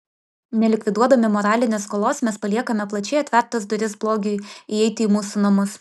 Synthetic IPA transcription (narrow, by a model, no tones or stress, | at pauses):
nʲɛlʲɪkʲʋʲɪd̪uɔd̪ɐmʲɪmɔːɾɑːlʲɪnʲeːskoːlˠoːsmʲɛspɐlʲiɛkɐmʲɛplˠɐt͡ʃʲɛɪɐt̪ʲʋʲɛɾt̪ɐsd̪ʊɾʲɪsblˠoːɡʲʊɪiɛɪt̪ʲɪiːmuːsunɐmʊs